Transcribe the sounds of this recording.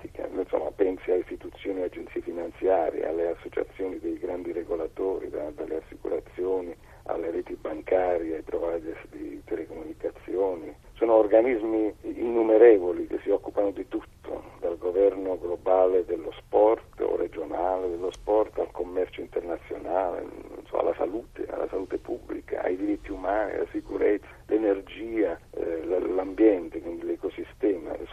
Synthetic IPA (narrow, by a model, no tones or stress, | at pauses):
t̪ika̰nso̰mːa̰pɛnsialist̪it̪ut̪sːjoːniad͡ʒent̪siːefinant̪sjaːɾjḛʔa̰lːeasːot͡ʃa̰t̪sːjoːnid̪ejɡɾand̪iɾeɡolat̪oːɾḭd̪ad̪alːḛasːikṵɾat̪sːjoːni | a̰lːeɾɛːt̪ibaŋkaːɾjiajpɾovajd̪ɛɾsd̪it̪ɛlekomunikat̪sːjoːni | soːnoorɡanizmiːnːumeɾɛːvolik̟esːiɔkːupanod̪it̪ut̪ːo̰d̪alɡovɛrnʊɡlobaːled̪elːospɔrt̪o̰red͡ʒonaːled̪elːospɔrt̪alkomːɛrt͡ʃʊint̪ɛrnat̪sːjo̰naːlḛnsɔ̰a̰la̰sa̰luːt̪ea̰la̰salut̪epubːlika̰a̰jd̪iɾit̪ːiumaːnḭla̰sikuɾɛt̪sːalʔenerd͡ʒiːalalambjɛnt̪ekund̪lekosist̪ɛːma̰